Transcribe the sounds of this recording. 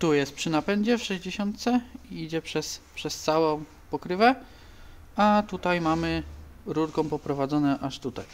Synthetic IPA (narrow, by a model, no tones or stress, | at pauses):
t̪ujɛst̪̚pʂɘnapɛɲd͡ʑɛfʂɛʑd͡ʑeɕɔnt̪̚t̪sɛiid͡ʑɛpʂɛspʂɛst̪sawɔ̃ | pɔkɾɘvɛ | at̪ut̪ajmamɘ | ɾuɾkɔ̃w̃pɔpɾɔvad̪zɔnɛʔaʂt̪ut̪a̰j